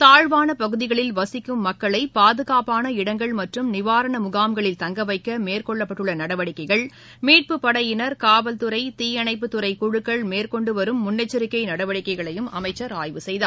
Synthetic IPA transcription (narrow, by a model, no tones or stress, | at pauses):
t̪aːɻʋaːnɐpɐɣɯðɪɣɐɭɪlʋɐsɪkːɯmːɐkːɐɭɐɪpaːðɯɣaːpaːnɐɪɽɐŋɡɐɭmɐʈrɯmnɪʋaːɾɐɳɐmʊɣaːmɡɐɭɪlt̪ɐŋɡɐʋɐɪkːɐmeːrkɔɭːɐpːɐʈːɯɭːɐnɐɽɐʋɐɽɪkːɐɪɣɐɭ | miːʈ̚pɯpːɐɽɐjɪnɐɾkaːʋɐlt̪ɯɾɐɪt̪iːjɐnɐɪpːɯt̪ʊɾɐɪkʊɻɯkːɐɭmeːɾkɔɳɖɯʋɐɾɯmːʊnːɐt͡ʃːɪɾɪkːɐɪnɐɽɐʋɐɽɪkːɐɪɣɐɭɐjɯmɐmɐɪt͡ʃːɐɾaːjʋɯsɛjða̰ː